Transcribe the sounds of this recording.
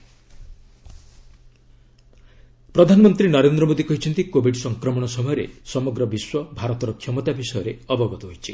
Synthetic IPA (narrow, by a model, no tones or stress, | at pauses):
pɾɔd̪ʱanɔmɔnt̪ɾinɔɾend̪ɾɔmod̪ikɔɦit͡ʃʰɔnt̪ikobʱiɖsɔŋkɾɔmɔɽ̃ɔsɔmɔjɔɾḛsɔmɔɡɾɔbiswɔbʱaɾɔt̪ɔɾɔkʰjɔmɔt̪abisɔjɔɾeɔbɔɡɔt̪ɔɦojt͡ʃʰi